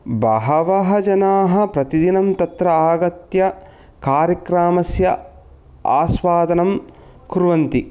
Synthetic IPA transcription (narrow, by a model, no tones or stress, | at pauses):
bɐɦɐʋɐɦɐd͡ʒɐnaːɦɐ̆pɾɐt̪id̪inɐmt̪ɐt̪ɾɐaːɡɐt̪jɐ | kaːɾjɐkɾaːmɐsjɐ | a̰ːsʋaːd̪ɐnɐm | kuɾuʋɐnt̪i